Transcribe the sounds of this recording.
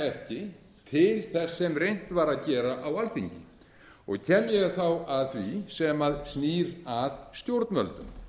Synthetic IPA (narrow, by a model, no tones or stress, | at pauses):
ɛfcɪ | t̪ʰɪlθɛsːɛmrejn̥t̪vaɾaðcɛːɾaʔawalθiɲcɪ | ɔ̰ɣcʰɛːmjɛɣθawaðθvisɛmaðsniːɾaðst̪jowɾt̪nmœ̰lt̪ʏm